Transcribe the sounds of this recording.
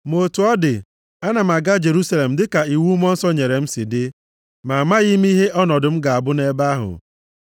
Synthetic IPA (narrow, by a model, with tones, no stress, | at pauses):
mo˨tu˨˦ɔ˦dɪ˨ | a˦na˨m̩˨a˨ɡa˦d͡ʒe˨ɾu˦sa˦le˨m̩˨dɪ˦ka˨i˨wu˦m˦ɔ˦n̩˦sɔ˦ɲe˨ɾe˨m̩˦si˨dɪ˦ | ma˨ma˦ɣi˦m˦i˦ɦe˦ʔɔ˦nɔ˨dʊ˨m̩˦ɡa˨a˨bʊ˦ne˦ba˦ɦʊ̰˨